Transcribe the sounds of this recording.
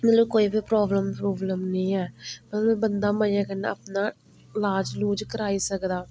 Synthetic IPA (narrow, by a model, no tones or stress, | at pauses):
mɛluːkoːiːbipɾɔːbləmpɾuːbləmnĩːɛːmət̪lbbənd̪aːməːaːkəna̰ə̰pnaː | laːd͡ʒluːd͡ʒkəɾaːiːsəkd̪aː